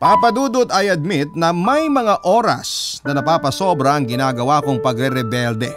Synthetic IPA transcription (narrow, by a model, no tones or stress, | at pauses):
paːpɐd̪uːd̪ʊt̪ɐjɐd̪̚mɪt̪̚nɐmɐjmɐŋaʔoːɾɐ̰snɐnɐpaːpɐso̞bɾɐɐŋɡɪnaːɡɐwaːkoŋpɐɡɾɛɾɛbɛld̪ɛ